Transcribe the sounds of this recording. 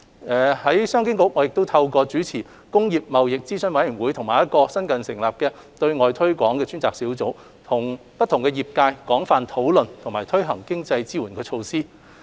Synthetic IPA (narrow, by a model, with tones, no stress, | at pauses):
ʔɛː˨˩hɐ˨˥jsœː˥ŋkɪ˥ŋkʊ˨˥k̚ŋɔː˨˥jɪ˨k̚t̪o˥wt̪ʰɐ˧wkɔː˧t͡ʃyː˨˥t͡sʰiː˨˩ | kʊ˥ŋjiː˨p̚mɐ˨wjɪ˨k̚t͡siː˥sɵ˨˥nwɐ˨˥jy˨˩nwu˨˥jt̪ʰʊ˨˩ŋmaː˨jɐ˥t̚kɔː˧sɐ˥nkɐ˨nsɪ˨˩ŋlaː˨p̚kɛː˧ | t̪ɵ˧ɥŋɔː˨˧jt̪ʰɵ˥ɥkʷɔː˨˥ŋkɛː˧t͡ʃyː˥nt͡saː˨k̚siː˨˥wt͡so˨˥w | t̪ʰʊ˨˩ŋ | pɐ˥t̪ʰːʊ˨˩ŋkɛ˧jiː˨˩p̚kaː˧jkɔː˨˥ŋfaː˨nt̪ʰo˨˥wlɵ˨nt̪ʰʊ˨˩ŋmaː˨˩jt̪ʰɵ˥ɥɦɐ˨˩ŋkɪ˥ŋt͡sɐ˧jt͡siː˥wuː˨˩nkɛː˧t͡ʃʰo˧wsiː˥